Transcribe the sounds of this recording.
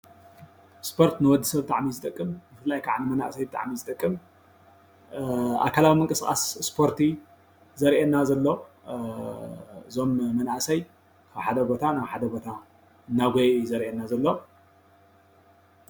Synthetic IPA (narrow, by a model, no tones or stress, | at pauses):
spʰo̞ɾt̪nɨwɔd̪ɨsɐβt̪ʼaʕmizɨt̪ʼɐkʼːɨmbɨfɨlːajkʰa̰ʕnɨmɐna̰ʔsɐjbɨt̪ʼa̰ʕmizɨt̪ʼɐkʼːɨm | a̰kʰalawimɨŋkʼɨskʼa̰sspʰo̞ɾt̪ʰi | zɐɾʔenːazɐlːo̞ | ɨzo̞mːɐnaʔsɐj | kʰaβħad̪ɐbo̞t̪ʰanaβħad̪ɐbo̞t̪ʰa | ɨnːaɡʷojzɐɾʔenːazɐlːo̞